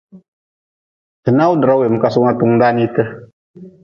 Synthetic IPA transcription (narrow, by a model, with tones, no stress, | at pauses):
tɨ˨na˦u˦dɨ˨ɾa˦we˨m̩˨ka˦su˦na˦tu˦ŋda˦ni˦tɨ˦